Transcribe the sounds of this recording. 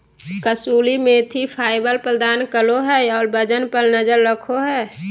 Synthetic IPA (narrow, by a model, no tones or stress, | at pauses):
kəsuːlimẽt̪ʰipʰaːɪbəlpɾəd̪aːnkəloɦɛːɔːɾbəd͡ʒənpəɾnəd͡ʒəɾːəkʰoɦɛː